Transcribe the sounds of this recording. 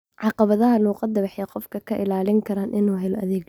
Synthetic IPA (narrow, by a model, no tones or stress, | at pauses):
ʕɑqɑβɐðɐɦɐluːqɑd̪ɐβɑħjɛqɔfkʰɐkʰɐʔɪlaːlɪŋkʰɐɾaːnʔɪnuːɦɛlɔʔɐðɛːɡ